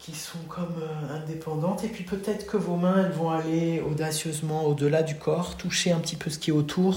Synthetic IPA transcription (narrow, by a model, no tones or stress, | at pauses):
kʲisɔ̃kʰɔmøɛ̃d̪epɑ̃d̪ɑ̃t̪epɥipøt̪ɛt̪χə̥kəvomɛ̃ɛlvɔ̃aleod̪asjøzmɑ̃od̪əlad̪ykʰɔʁt̪uʃeɛ̃pət̪ipøsə̥kʲiɛot̪ʰuːʁ